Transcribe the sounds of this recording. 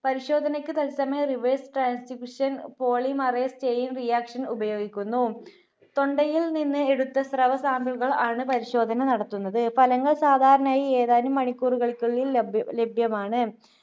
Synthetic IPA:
pɐɾiɕo̞ːd̪ʱɐnɐkʲːɨt̪ɐlsɐmɐriʋeːsʈraːnsfikːuʂɐnpo̞ːɭimɐreːst͡ɕejinrijaːkʂɐnubɐjo̞ːɡikʲːunːu | t̪o̞ɳɖɐjilninːɨe̞ɽut̪ːɐsrɐʋɐsaːmbiɭɣɐɭaːɳɨpɐɾiɕo̞ːd̪ʱɐnɐnɐɽɐt̪ːunːɐðɨfɐlɐŋːɐɭsaːd̪ʱaːɾɐɳaːjieːðaːnumːɐɳikʲːuːruɣɐɭikʲːuɭillebʱjɐmaːɳɨ

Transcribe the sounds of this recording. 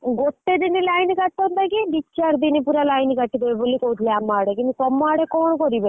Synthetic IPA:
ɡot̪ːed̪inilajnkaʈːɔnd̪akiɖit͡ʃaɾd̪inipuɾalajnkaʈːid̪eebolikout̪ʰleamːaːɽekint̪usɔmːaːɽekɔɳkɔɾibe

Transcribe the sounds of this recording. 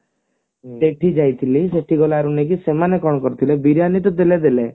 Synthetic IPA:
t̪eʈʰid͡ʒajt̪ʰiliseʈʰiɡɔlaɾunek̬isemanekɔɽ̃ɔkɔɾt̪ʰilebiɾjanit̪̬ɔt̪eled̪ele

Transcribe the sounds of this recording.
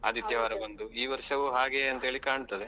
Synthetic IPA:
ɐ̰ːd̪it̪jɐʋaːɾɐbɐnd̪uiːʋɐɾʂɐʋuɦaːɡeɐnt̪ɐɦeɭikaːɳt̪ɐd̪e

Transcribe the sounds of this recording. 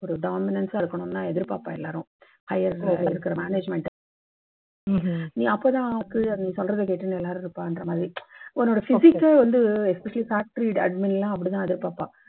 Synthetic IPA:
ɔɾɯɖaːmɪnɐnsaːɪɾɯkːɐɳʊ̃nːaːɛðɪɾpa̰ːpːãːɛlːaːɾʊ̃ | hɐjɐɾɪɾɯkːɪɾɐmaːneːd͡ʒmɛɳʈ | nĩːɐpːoːt̪ãːkːɯɐnĩːsɔlrɐðɐkeːʈːɯnɛlːaːɾɯ̃ɪɾɯpːãːɪndɾɐmaːðɾiɛnːoːɽɐfɪsɪkːʋɐnd̪ɯɛspɛʂɐlifaːk̚ʈɾiɖɐɖmɪnlːãːɐp̬ːɐɽit̪ãːɛðɪɾpaːpːã̰ː

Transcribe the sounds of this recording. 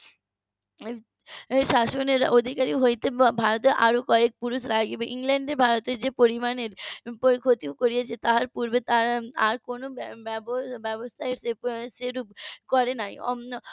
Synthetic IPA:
ʃaʃoneɾod̪ʱikaɾioɦojt̪ebʱaɾot̪eʔaɾokɔek̚puɾuʃlaɡibeʔiŋlɛɳɖeɾbʱaɾot̪eɾd͡ʑepoɾimaneɾpoɾikʰot̪iokoɾijet͡ɕʰet̪aɦaɾpuɾbet̪aɾaɾkonobɛbobɛbost̪ʰaeɾseseɾupkɔɾenaj

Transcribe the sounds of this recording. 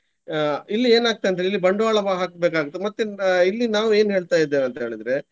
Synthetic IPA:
ilːieːnaːɡ̚t̪ːejɐnt̪elilːibɐɳɖuʋaːɭɐʋaːɦaːkbeːkaːɡut̪ːemɐt̪ːuilːinaːʋue̞ːnɦeːɭt̪aːjid̪ːeːʋɐnt̪ɦeːɭɐnd̪ɾe

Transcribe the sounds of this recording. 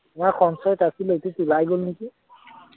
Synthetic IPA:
ʊmaxʰɔnsɔjɔtasilotutulajɡolneki

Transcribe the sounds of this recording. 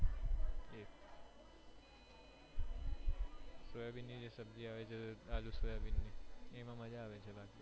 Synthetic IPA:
e | soːjabinːid͡ʒesəb̚d͡ʒiaːʋet͡ʃʰeaːlusoːjabɪnːiemãməd͡ʒaːʋet͡ʃʰebaːki

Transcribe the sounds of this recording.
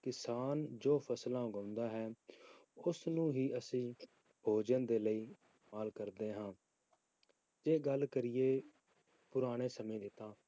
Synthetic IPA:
kɪsaːnd͡ʒoːpʰəslãːʊɡə̃ːʊ̃nd̪aːɦɛː | ʊsnũːɦiːʔəsĩː | bʱoːd͡ʒənd̪eːləiː | maːlkəɾd̪eːɦãː | d͡ʒeːɡəlkəɾɪjeː | pʊɾaːɽ̃eːsəmẽːd̪ɪt̪aː

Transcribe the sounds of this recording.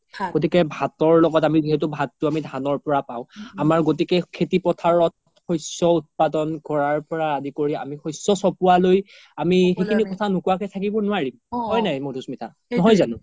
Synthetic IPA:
ɡot̬ikɛbʱatɔɹlɔɡɔtamiziɦɛt̬ʊbʱatːʊamidʱanɔɹpɔɹapaʊ̃amaɹɡotikɛkʰetipɔtʰaɹɔttxɔjsɔut̚padɔnkɔɹaɹpɔɹaadikoɹia̰mixɔjsɔsɔpualoj | amixekʰinikɔtʰanʊkuwakɛtʰakibɔnʊaɹimɔjnajmodʱusmitʰa | nɔɦɔjzanʊ̃

